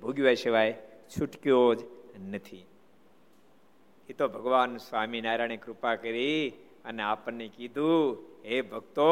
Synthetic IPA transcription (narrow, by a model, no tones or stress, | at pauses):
bʱoɡjʋajʃiʋajt͡ʃʰuʈkjod͡ʒnət̪ʰi | ɦit̪obʱəɡʋansʋaminaːɾaɽ̃ekɾupakəɾi | ə̰neapənːekid̪ʱuɦebʱəkt̪o